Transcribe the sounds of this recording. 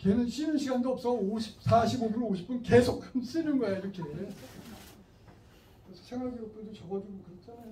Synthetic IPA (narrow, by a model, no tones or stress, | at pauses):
kenɯnɕʰinɯnɕʰiɡandoʌps͈ʌoɕʰi̥p̚sʰaɕʰibobunoɕʰi̥p͈unke̞sʰokʰːans͈ɯnɯnɡʌeaiɾʌkʰe | kɾesʰʌ̥sʰeŋʌɭɡiop͈̚edot͡ɕʌɡʌd͡ʑiɡokɯɾet͡ɕ͈ʰana